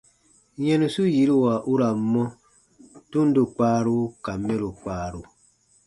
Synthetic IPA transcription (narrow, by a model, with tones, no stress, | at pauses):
jɛ̃˦nũ˨su˦ji˨˦ɾu˦˨wa˨ʔu˦ɾa˨mːɔ̃˦ | tu˦n̩˦du˨k͡paː˦ɾu˦ka˨mːɛ̃˦ɾu˨k͡paː˨ɾu˨